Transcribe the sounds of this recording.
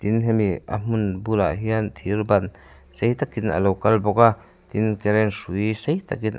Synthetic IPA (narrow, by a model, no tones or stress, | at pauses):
t̪inɦɛmia̰m̥unbula̰ʔɦiant̪ʰirbɐn | sejt̪akinʔɐ̰lowkɐlbɔka | t̪inkɛɾɛnsuisejt̪akin